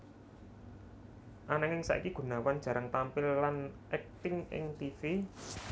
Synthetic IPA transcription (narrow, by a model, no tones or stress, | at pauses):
ʔanaŋɪŋsa̰ʔḭkiɡ̥ṳnawan̥d͡ʒ̥a̤ɾʔəŋt̪ampɪlːanʔɛk̚t̪ɪŋʔɪ̰ŋt̪ifi